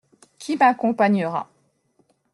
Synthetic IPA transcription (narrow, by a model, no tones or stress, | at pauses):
kʲʰimakɔ̃paɲəʁa̰